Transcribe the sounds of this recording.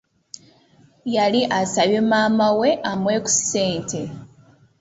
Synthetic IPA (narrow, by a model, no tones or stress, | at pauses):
jaliʔasaβemaːmawe̞ʔamwe̞ːku̥se̞ːntʰe̞